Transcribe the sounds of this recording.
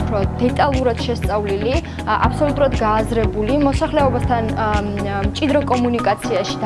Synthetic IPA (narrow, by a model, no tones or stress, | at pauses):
pʰɾɔd̪ɛt̪ʼalˠuɾad̪̥ʃɛst̪sʼavlili | a̰pʰsɔlut̪ʼuɾad̪ɡaːzɾɛbulimɔsaχlɛɔbast̪ʰan | mt͡ʃʼid̪ɾɔkʼɔmunikʼat̪sʰiaʃi̥d̪